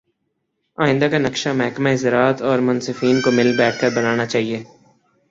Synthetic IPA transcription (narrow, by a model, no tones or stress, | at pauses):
aːɪ̃nd̪akanɐkʃamɛɦkmaɦɪzɾaːt̪ɔːɾmʊnsɪfiːnkomɪlbɛːʈ̚ʰkɐɾbɐnaːnat͡ʃaːɦieː